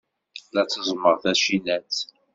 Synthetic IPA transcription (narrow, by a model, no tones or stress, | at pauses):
læt͡sːəzˤməʁθæʃinæt͡s